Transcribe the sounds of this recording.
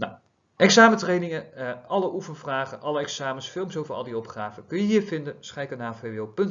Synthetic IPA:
na̰w | ʔɛksaːmətrejnɪŋəɑləʔufənvraːχənʔɑləɛksaːməsfɪlˠmsowvəɹɑ̰lˠdiɔpχaːvəkɵnjəɦiːɹvɪndəsχɛjkənaːfejʋɪlˠpɵnt

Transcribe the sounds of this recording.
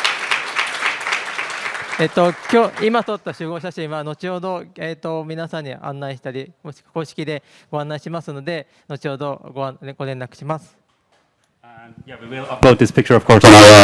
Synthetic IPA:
eːt̪ːo̞kʲoːimasot̪ːaɕɨːɡo̞ːɕaɕĩɰ̃βano̞t͡ɕioːd̪o̞et̪ːo̞mʲinasãɲ̟ːia̰ʔã̰nːaiɕi̥t̪aɾʲimo̞ɕi̥kḁko̞ːɕi̥kʲid̪e̞ɡ̥o̞ãnːaiɕimasɨno̞d̪e̞ | no̞t͡ɕio̞ːd̪o̞ɡoaɡ̥o̞nẽ̞nːakɯ̟̥ɕimasɨ̥ | jæwiwɪlʌploʊt̪̚ðɪspɪk̚t͡ʃə˞ʌv̥kʰɔɹsn

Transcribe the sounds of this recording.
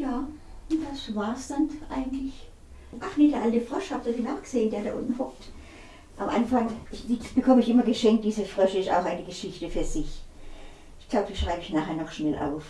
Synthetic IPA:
jaːd̥asvaːɐsd̥anʔa̰ɪɡŋ̩tlɪç | ʔanɪdeɐʔaltəfʁɔʃhabsoːfiːnaʊxɡ̥əz̥eːəndeːɐɾaʔʊ̰ntn̩hɔk̚t | ʔamʔanfaŋɪd̥ib̥əkʰɔməɪçʔɪmɐɡəʃɛŋkt̚d̥iːzəfʁɔʃəɪsta̰ʊxʔaɪnəɡəʃɪçtəfyːɐzɪç | ʔɪçɡ̥laʊbəd̥iːʃʁ̥aɪbəɪçnaːχeːɐnɔχʃnɛlʔa̰ʊf

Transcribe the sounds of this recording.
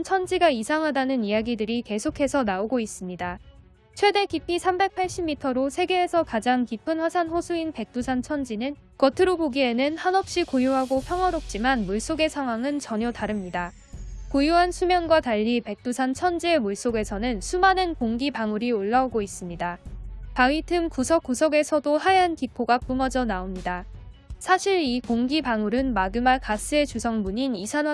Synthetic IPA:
t͡ɕʰʌnd͡ʑiɡaisʰaŋɦadanɯnijaɡidɯɾike̞sʰokʰe̞sʰʌnaoɡois͈ɯmɲida | t͡ɕʰwe̞de̞kipʰisʰambe̞k̚pʰaɭɕ͈imːitʰʌɾosʰe̞ɡe̞ːsʰʌkad͡ʑaŋkipʰɯnɸwasʰanɸosʰuinpe̞k̚t͈usʰant͡ɕʰʌnd͡ʑinɯn | kʌtʰɯɾoboɡie̞nɯnhanɦʌp̚ɕ͈ikojuɦaɡopʰjʌŋɦʌɾop̚t͡ɕ͈imanmuɭs͈oɡe̞sʰaŋɦwaŋɯnt͡ɕʌɲʌtaɾɯmɲida | kojuɦansʰumjʌnɡwataɭːipe̞k̚t͈usʰant͡ɕʰʌnd͡ʑie̞muɭs͈oɡe̞sʰʌnɯnsʰumanɯnkoŋɡipaŋuɾioɭːauɡois͈ɯmɲidapawitʰɯmkusʰʌk͈usʰʌɡe̞sʰʌdohajankipʰoɡapumʌd͡ʑʌnaomɲida | sʰaɕʰiɾikoŋɡipaŋuɾɯnmaɡɯmakas͈ɯe̞t͡ɕusʰʌŋmuɲinisʰan

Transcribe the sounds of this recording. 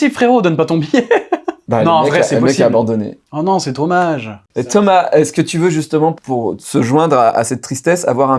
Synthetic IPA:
sifχeʁod̪ɔnpat̪ɔ̃bijɛbanɔ̃ɛvʁɛsɛlpmɛskiaːbɑ̃d̪ɔnḛɔnɔ̃sɛt̪omaʒet̪ʰɔmaɛskət̪yvøʒyst̪əmɑ̃puʁsəʒwɛ̃d̪ʁaa̰sɛt̪ːχist̪ɛsa̰vwaʁɛ̃

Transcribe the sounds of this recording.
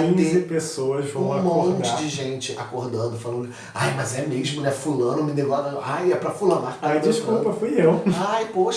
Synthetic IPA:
ĩẽpesowɐzvɐ̃mõõt͡ʃɪad͡ʒɪʒẽnt͡ʃɪakoɾd̪ɐ̃nd̪ʊfalɐ̃nd̪ʊ | a̰jmɐzɛmeʒmʊnɛfulɐ̃nʊmɪd̪evɔd̪ɐajɛpɾɐfulãnat̪ajd͡ʒiʃkupɐfujewajpoʃ

